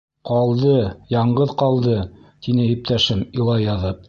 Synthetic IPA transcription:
qɑlˠd̪ɤjɑɴɢɤðqɑlˠd̪ɤt̪inɘip̚t̪æʃɘmilˠɑjɑðɤp̚

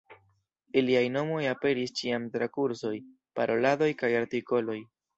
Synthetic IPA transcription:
iliajno̞mo̞jape̞ɾist͡ʃiamtɾakuɾso̞j | paɾʔo̞lado̞jkajaɾtiko̞lo̞j

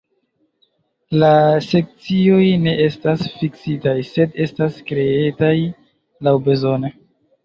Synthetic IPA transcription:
lase̞k̚t͡sio̞jne̞ʔe̞stasfiksitajse̞de̞staskɾe̞etaj | lawbe̞zo̞ne

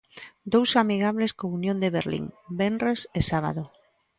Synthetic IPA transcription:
d̪owsamiɣ̞aβleskounjõnd̪eβḛɾlḭŋbenresesaβa̰ðo

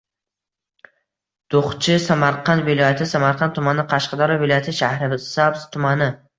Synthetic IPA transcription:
d̪̥oχt͡ʃʰɪsamaɾqɑnvɪlˠɒjat̪ʰɪsamaɾqʰɑnt̪ʰʊmanɪqʰɑʃqɑd̪ɒɾavɪlˠɒjat̪ʰɪʃahɾɪbɪsabz̥t̪ʰʊmanɪ

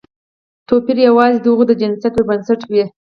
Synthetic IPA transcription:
t̪opiɾjawɑzid̪əuɣod̪əd͡ʒɪnsat̪webansaʈwi

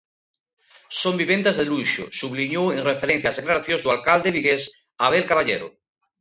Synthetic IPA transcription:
sõmbiβent̪ezðeluʃo̰suβliɲoeŋrefeɾenθjazðeklaɾaθjõzðualkald̪eβiɣes | aβelkaβaʎeɾo̰

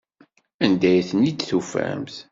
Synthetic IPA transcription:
ænd̪æjθənid̪θufæ̰mθ

